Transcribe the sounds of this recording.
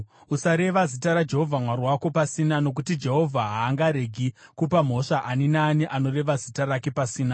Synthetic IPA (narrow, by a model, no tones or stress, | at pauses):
usaɾe̞ʋazitaɾad͡ʒe̞ɦo̞vʱamwarwako̞pasinano̞k̬utid͡ʒe̞ɦo̞vʱaɦaːŋɡaɾe̞ɡʱikupam̤o̞ʂaʔaninaːniʔano̞re̞ʋazitarake̞pasiːna